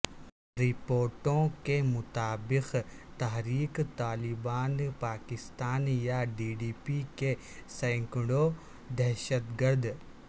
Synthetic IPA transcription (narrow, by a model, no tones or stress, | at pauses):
ɾɪpoːɾʈõkemʊt̪aːbɪxt̪aɦɾiːkt̪aːlɪbaːnpaːkɪst̪aːnjaɖiːɖiːpike | sɛ̃ŋkɪɽo | d̪ɛɦʃət̪ɡəɾd̪